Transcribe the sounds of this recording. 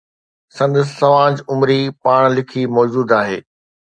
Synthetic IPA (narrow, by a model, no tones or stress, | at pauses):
sɐ̃nd̪əs̬sːɐmaːd͡ʑʊmɾipaːɽ̃lɪkʰimɔːd͡ʑuːd̪aːɦeː